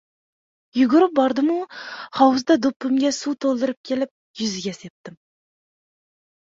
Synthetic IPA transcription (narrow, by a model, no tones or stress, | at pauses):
juɡʲʊɾɨp̚bɑɾd̪ɨmuχɑwzd̪ɑd̪upːɨmɡʲɛsut̪ʰolˠd̪ɨɾɨp̚kʲʰelɪp̚ | jyzɪɡʲɛsep̚t̪ɪm